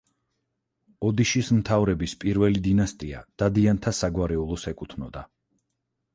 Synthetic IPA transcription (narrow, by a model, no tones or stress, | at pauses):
ɔd̪iʃismt̪ʰavɾɛbispʼiɾvɛlid̪inast̪ʼia̰d̪̥ad̪iant̪ʰasaɡwaɾɛulˠɔsɛkʼut̪ʰnɔd̪a